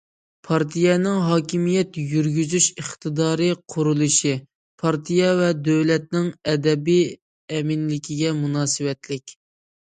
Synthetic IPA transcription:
pʰɑɾt̪ʰijɛnɪŋɦɑːkʲimijɛt̪jyɾɡʲyzyʃəχt̪ʰɨd̪ɑːɾɨqʰʊɾulˠuʃi | pʰɑɾt̪ʰijɛvɛd̪øwlɛt̪̚nɪŋɛd̪ɛbij | ɛmɪnlɪkʲʰiɡʲɛmunɑːsɨwɛt̪lɪkʲ

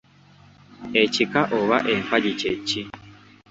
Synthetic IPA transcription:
ecikaʔoβaʔeɱfaɟicecːi

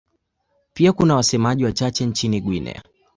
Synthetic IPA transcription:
piakunawasɛmaʄiwat͡ʃat͡ʃɛnt͡ʃiniɡwinɛ̰

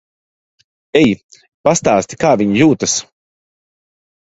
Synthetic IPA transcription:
ɛj | past̪aːst̪ʲi̥kaːvʲiɲijuːt̪as

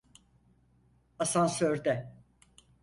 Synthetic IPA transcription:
asansøɾd̪ɛ

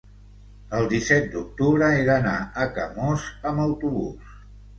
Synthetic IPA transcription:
əlˠd̪isɛt̪̚d̪uk̚t̪uβ̞ɾəeðənaəkə̰mɔzəməwt̪uβṵs

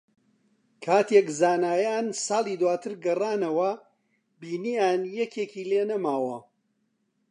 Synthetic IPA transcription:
kʰaːt̪jekzaːnaːjaːnsɑːlˠiːd̪waːt̪ʰɨɾɡɐraːnɐwɐ | biːnijaːnjɛkeːkʰiːleːnɐmaːwɐ

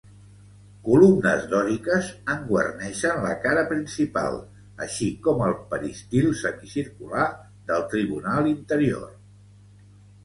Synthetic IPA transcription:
kulumnə̰zðɔɾikəzəŋɡwə̰rnɛʃənlə̰kaɾəpɾinsipa̰lˠ | ə̰ʃikɔməlˠpəɾist̪ilˠsəmisiɾkula | ðəlˠt̪ɾiβunalˠint̪əɾio̰r

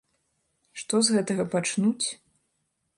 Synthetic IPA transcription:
ʂt̪ɔzɣɛt̪ɐɣɐpat͡ʂnut͡sʲ

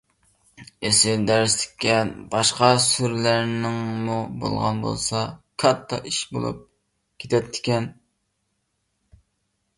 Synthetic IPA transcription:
esɪld̪æɾst̪ʰɪ̥kʲːɛnbɑʃqɑsyɾlæɾnɪŋmubo̰lˠʁɑ̰nbo̰lˠsɑkʰɑt̪ʰːɑ̰ʔiʃbo̰lˠṵp̚ | kʲʰet̪ʰɛt̪ʰːɪ̥kʲɛn

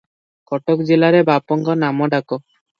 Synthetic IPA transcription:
kɔʈokd͡ʒelaɾebʱapɔŋɡɔnamɔɖakɔ

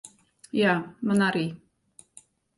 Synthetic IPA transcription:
jamanaɾi

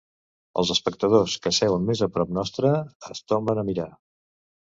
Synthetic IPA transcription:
ə̰lˠzəspək̚t̪əðoskəsɛwəmmezəpɾɔp̚nɔst̪ɾəːst̪ombənəmiɾa

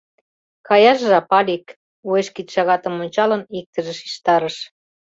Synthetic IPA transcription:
kɑjɑʃʒɑpɑlik | ueʃkit̪ʃɑɣɑt̪əmonʲt͡ɕɑlənik̚t̪əʒə̆ʃi̥ʃt̪ɑɾəʃ

